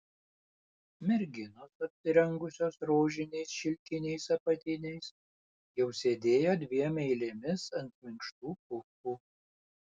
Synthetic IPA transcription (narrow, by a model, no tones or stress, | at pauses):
mʲɛɾʲɡʲɪnoːsɐpʲsʲɪɾʲɛŋɡʊsʲoːsɾoːʒʲɪnʲɛɪsʃʲɪlʲkʲɪnʲɛɪsɐpɐt̪ʲɪnʲɛɪs | jɛʊsʲeːd̪ʲeːjoːd̪ʲʋʲiɛmʲɛɪlʲemʲɪsɐnʲt̪̚ʲmʲɪŋkʃt̪uːpʊkuː